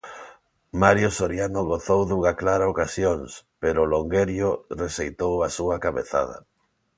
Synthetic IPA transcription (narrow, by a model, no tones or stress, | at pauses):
maɾjosoɾjanoɣoθowðuŋaklaɾaokasjoŋspeɾʊloŋɡeɾjoresejt̪owasuakaβḛθa̰ð̞ɐ̰